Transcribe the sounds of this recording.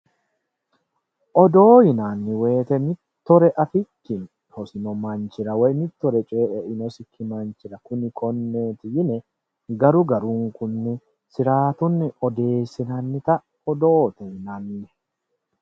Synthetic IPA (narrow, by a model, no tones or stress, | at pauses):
ʔɔd̪o̞ːjɪnaːnːɪwe̞ːt̪ɛnɪt̪ːɔɾɛʔɐfɪkːɪn | hɔsɪnɔmɐnt͡ʃɪɾɐwɛjnɪt̪ːɔɾɛt͡ʃʼeːʔɛʔɪnɔsɪkʰːɪmɐnt͡ʃɪɾɐkʊnɪkʰɔnːeːt̪ɪjɪnɛ | ɡɐɾʊɡɐɾuŋkʊnːɛ | sɪɾaːt̪ʊnːɪɔd̪e̞ːsːɪnɐnːɪt̪ɐ | ɔd̪oːt̪ɛjɪnanːɪjɛ